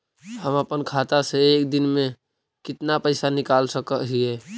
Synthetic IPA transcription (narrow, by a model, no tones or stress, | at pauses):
həməpənkʰat̪aseːk̚d̪ɪnmẽ | kɪt̪napəɪsanɪkaːlsəkəɦiɦɛː